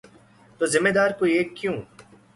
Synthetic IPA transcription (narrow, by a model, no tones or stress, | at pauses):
t̪ozɪmːed̪aːɾkoieːkːjũː